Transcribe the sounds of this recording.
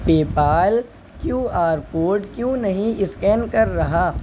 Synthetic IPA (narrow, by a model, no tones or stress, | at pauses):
peːpaːl | kjũːaːɾpoːɾʈkjũːnɐɦĩɪskɛːnkɐɾːɐɦaː